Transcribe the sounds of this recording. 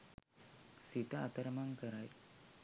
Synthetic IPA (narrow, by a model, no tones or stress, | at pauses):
sit̪ɐat̪ɐɾɐmaŋkəɾaj